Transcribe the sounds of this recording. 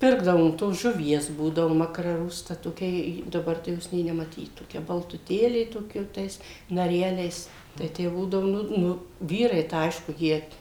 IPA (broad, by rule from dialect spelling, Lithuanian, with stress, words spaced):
ˈpʲɪrɡdɐʋoːm toːs ʒʊˈʋʲiɛs ˈbuːdɐʋʊ mɐkrɐˈrʊstɐ toːˈkʲɛ ˈjɪ dɐˈbɐr tɐɪ ˈjoːs nʲeː nʲɛmɐˈtʲiːt toːˈkʲɛ bɐlˠtʊˈtʲeːlʲeː ˈtoːˈkʲɛ jɛʊ ˈtɐɪs nɐˈrʲæːlʲɛɪs tɐɪ ˈtʲæː ˈbuːdɐʋʊ ˈnʊ ˈnʊ ˈʋʲiːrɐɪ tɐɪ ˈɐɪʃkʊ ˈjiɛ